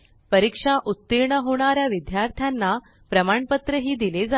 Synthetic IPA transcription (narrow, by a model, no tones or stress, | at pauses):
pəɾikʂaʔut̪ːiɾɳəɦoɽ̃aɾjaʋid̪jaɾt̪ʰjanːa | pɾəmaɳpət̪ɾəɦiːd̪iled͡za